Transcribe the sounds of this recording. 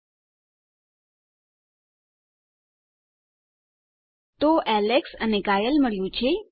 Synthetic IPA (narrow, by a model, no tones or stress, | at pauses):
t̪oʔɛleksənekajəlməɭjũt͡ʃʰe